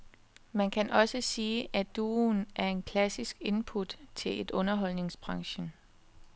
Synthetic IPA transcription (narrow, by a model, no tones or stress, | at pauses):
mænkʰænʔɒ̽səsiːʔæd̥uːnʔæɐe̝nkʰlæsisɡ̥e̝npʰud̥t͡sʰe̝le̝d̥ɔ̽nɐɦɒ̽l̰ne̝ŋsb̥ʁɑ̈ŋɕə